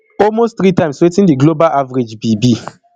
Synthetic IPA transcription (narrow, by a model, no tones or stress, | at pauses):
ɔlmosttɾitãɪ̃mswetĩndiɡlobalʔavaɾed͡ʒbibi